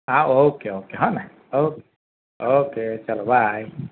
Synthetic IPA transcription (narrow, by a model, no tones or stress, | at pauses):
aʔokeokeɦɔna | oke | oket͡ʃalabaj